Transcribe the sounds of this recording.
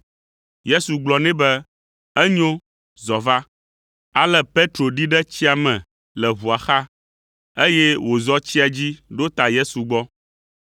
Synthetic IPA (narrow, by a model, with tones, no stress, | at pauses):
je˦su˨ɡ͡blɔ˨nɛ̃˦bɛ˦ | ɛ˦ɲõ˦ | zɔ˨va˦ | a˨lɛ˦pe˦t̪ɾo˨ɖi˦ɖɛ˦t͡ɕi˦a˨mɛ̃˨ | lɛ˨βu˨a˨xa˦ | e˦je˦wo˨zɔ˦t͡ɕi˦a˨d͡ʑi˦ɖo˦t̪a˨je˦su˨ɡ͡bɔ˦